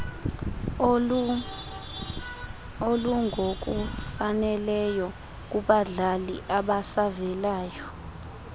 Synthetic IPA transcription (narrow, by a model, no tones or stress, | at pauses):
oluŋʱok̬ʼufanɛlɛjɔ | k̬ʼuɓaɮalḭʔaɓasavɛlaːjɔ